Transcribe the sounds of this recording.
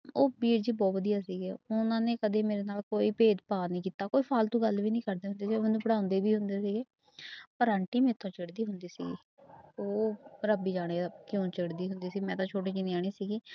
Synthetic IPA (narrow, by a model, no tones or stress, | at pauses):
oːbiːɾd͡ʒiːbɔːt̪bəd̪ijaːsiːɡeːʊnãːneːkəd̪eːmeːɾeːnaːlkoːiːpeːd̪paːnĩːkiːt̪aːkoːiːpʰaːlt̪ũːɡəlʋiːnĩːkəɾd̪eːɦʊnd̪eːsiːɡmənũːpəɽaːʊ̃nd̪eːbiːɦʊnd̪eːsiːɡeː | pəɾaːɳʈiːmẽːt̪ʰːõːt͡ʃɪɽd̪iːɦʊnd̪iːsḭːɡḭː | oːɾəbiːd͡ʒaːɽ̃eːakjõːt͡ʃəɽd̪iːɦʊnd̪iːsiːmɛ̃ːt̪ãːt͡ʃʰoːʈ̬eːt͡ʃineaːɳ̃eːsiːɡeː